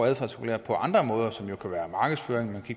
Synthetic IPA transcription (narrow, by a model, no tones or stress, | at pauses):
æðˠfɑsikʰulḛɐpʰɒ̽ʔɑ̈nd̥ʁɐmɔ̽ːðˠɐsɒ̽mjo̝kʰæʋæːɐmɑ̈ːɡ̥əð̞̩ˠsføːɐeŋmænkʰiɡ̥̚